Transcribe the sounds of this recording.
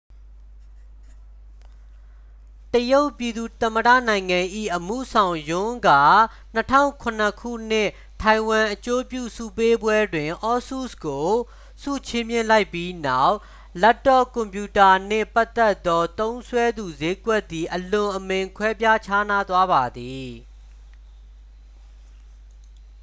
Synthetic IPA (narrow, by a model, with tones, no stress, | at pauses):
təjo˦ʊpji˨d̪u˨t̪ə˨məɾä̰˦˨nã˨ɪ̃ŋã˨ʔḭ˦˨ʔəmṵ˦˨sʰã˨ʊ̃jʊ̃˦ɡa̰˦˨ | n̥ətʰã̰˦ʊ̃ŋkʰʊ̃˨n̥ə˨kʰṵ˦˨n̥ɪ̰̃˦˨ | tʰa˨ɪ̃wã˨ʔət͡ɕo˦pjṵ˦˨sṵ˦˨pe˦bwɛ˦dwɪ̃˨ʔɔ˦su˦˨sko˨ | sṵ˦˨t͡ɕʰɪ̃˦mjɪ̃˦˨la˦ɪpːji˦na˦˨ʊʔ | lɛ˦tːɔ˦kʊ̃˨mpju˨ta˨n̥ɪ̰̃˦˨pa˦t̪ːɛ˦t̪ːɔ˦t̪õ˦ʊ̃nsʰwɛ˦d̪u˨ze˦ɡwɛ˦ʔt̪ːi˨ʔəlʊ̃˨ʔəmɪ̃˨ŋkʰwɛ˦pja˦t͡ɕʰa˦na˦d̪wa˦ba˨d̪i˨